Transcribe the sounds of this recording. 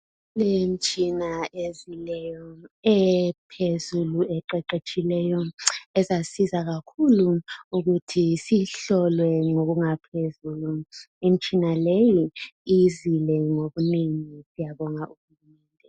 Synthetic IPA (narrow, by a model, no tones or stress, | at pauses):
lem̩t͡ʃʼinaezilɛjɔɛpʰezuluɛǃɛǃet͡ʃʼilɛjɔɛzasizaɣakʰuluuɣutʰisiɬɔlwɛŋoɣuŋapʰezuːlu | im̩t͡ʃʼinalejiizilɛŋoɣuneŋisijaβɔŋaʔuxumɛːndʱɛ